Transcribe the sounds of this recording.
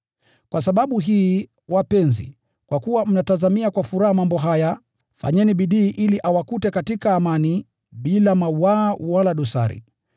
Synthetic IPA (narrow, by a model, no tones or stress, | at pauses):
kwasaɓaɓuɦiː | wapɛnzḭ | kwakuwam̩natazamiakwafuɾahamambɔɦaja | fa̰ɲɛniɓiɗiːʔiliʔawakutɛkatikaːmani | ɓilamawaːwalaɗɔsa̰ɾḭ